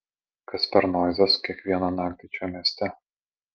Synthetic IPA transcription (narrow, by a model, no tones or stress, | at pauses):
kɐsʲpʲɛɾnɔːzʲɛsʊ̥kʲiɛkʋʲiɛnɐnɑːk̚t̪ʲɪt͡ʃʲoːmʲiɛsʲt̪ʲɛ